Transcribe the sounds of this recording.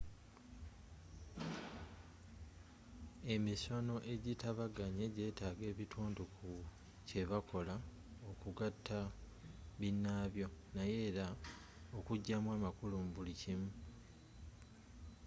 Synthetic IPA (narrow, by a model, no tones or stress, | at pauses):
e̞miso̞no̞ʔe̞ɟitaβaɡaɲe̞ɟe̞ːtaːɡe̞ːβitʰuːndukʰu | ce̞βako̞la | okuɡatʰːa | βinːaːβjo̞naje̞ːɾa | okuɟːamwaːmakulumubulicimu